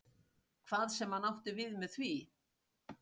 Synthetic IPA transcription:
kʰv̥aːðsɛmhanawht̪ɪvɪðmɛðθvi

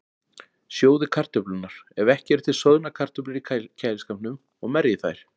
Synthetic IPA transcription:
sjoːwðɪkʰar̥t̪œplʏnaɾ̥ɛvɛhcɛɾ̥t̪ʰɪlsœðnakʰar̥t̪ʏplɪɾicʰajlɪskamnʏm | ɔɣmɛɾjɪθajɾ̥

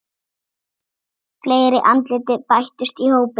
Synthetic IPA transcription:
fleːjɾɪʔant̪lɪːt̪ɪpajht̪ʏst̪ihoːwpɪ

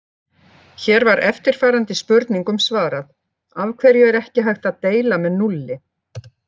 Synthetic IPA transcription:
çɛːɾvaɾʔɛft̪ɪɾ̥faːɾant̪ɪspʏɾt̪niŋkʏmsvaːɾaθ | avkʰvɛɾjʏɛɾɛhcɪɦajxt̪aðt̪eːjlamɛðnulːɪ

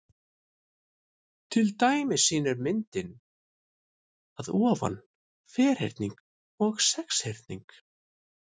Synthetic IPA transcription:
t̪ʰɪlt̪aːjmɪsiːnɛɾmɪnt̪ɪn | aðɔːva̰n | fɛːɾ̥hḛjɾt̪niŋk | ɔɣsɛkshejɾ̥t̪niŋk

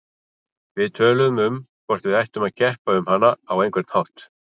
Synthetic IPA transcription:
vɪðt̪ʰœːlʏðʏmʏmkʰvɔr̥t̪vɪðajht̪ʏmaðcɛhpaʏmhanːaawejŋkvɪɾ̥t̪hawht̪

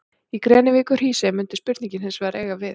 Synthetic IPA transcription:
ikɾɛːnɪviːkœɾ̥iːsɛmʏnt̪ɪspʏɾt̪nĩɲcɪnhɪnsvɛːɾɛːɣavɪð

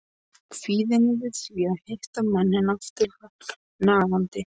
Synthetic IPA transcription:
fiːðɪnɪvɪðsviaðheht̪amɛnːɪnaft̪ɪla | naːɣant̪ɪ

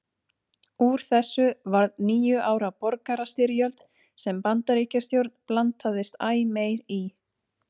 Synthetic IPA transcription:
uɾ̥θɛsːʏvaɾðniːjʏʔaːwɾapɔɾkaɾast̪ɪɾjœlt̪ | sɛmpant̪aɾiːcast̪jowɾt̪nplant̪aðɪst̪aːjmeːjɾi

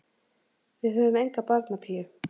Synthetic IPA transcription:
vɪðhœvʏmejŋkapaɾt̪napʰiːjʏ

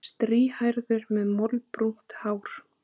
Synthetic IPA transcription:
st̪ɾiːhajɾðʏɾmɛðmɔlpɾun̥t̪haːwɾ̥

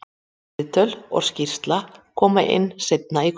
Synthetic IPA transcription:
t̪œlɔ̰ɣscir̥st̪lakʰɔːmaʔɪ̰nːsejt̪̚naik

